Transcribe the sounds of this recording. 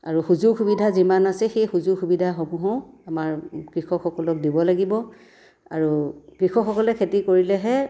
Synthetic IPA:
aɹuxuzuxubidʱazimanasɛxejxuzuxubidʱaxɔmuɦɔ̃amaɹkɹixɔxɔkɔlɔk̚dibɔlaɡibɔ | a̰ɹukɹixɔxɔkɔlɛkʰetikoɹilɛɦɛ

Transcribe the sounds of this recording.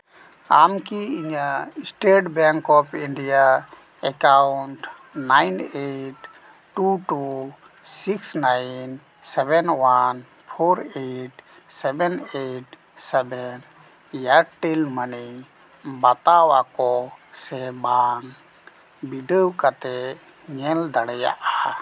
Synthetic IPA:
amkiiɲaisʈeʈbaŋkɔpʰiɳɖija | ɛkawɳʈ | najneʈː | uʈu | siksnajn | sɛbɛnwan | pʰoɾeʈ | sɛbɛneʈ | sɛbɛn | jaʈilməni | bat̪awakɔsɛbaŋ | biɖəwkat̪ɛ | ŋɛld̪aɽɛja̰ʔaa

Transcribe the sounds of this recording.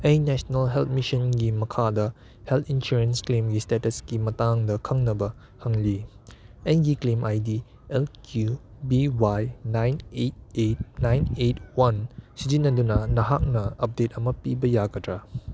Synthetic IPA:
ʔɛjnɛʃənəlɦɛlt̚miʃə̃nɡiməkʰadə | hɛltĩnʃuɹə̃nsklẽmɡistɛtəsɡimatãŋdəkʰaŋnəbə | hãŋli | ɛ̃nɡiklẽmʔajdi | ɛlkʰjubiwajnãjnet̚et̚nãjnet̚wãnsid͡ʒinadunanaɦak̚naap̚det̚amapibəjakədɾa

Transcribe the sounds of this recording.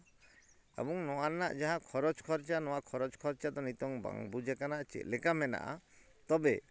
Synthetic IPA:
ɛ̰bɔŋnɔwana̰ʔd͡ʒaɦãkʰɔɾɔt͡ʃkʰɔɾt͡ʃanɔwakʰɔɾɔd͡ʒkʰɔɾt͡ʃad̪ɔnit̪ɔŋba̰ŋbud͡ʒɛkanaʔt͡ʃɛ̰t̪lɛkamɛna̰ʔa̰ | t̪ɔbɛ

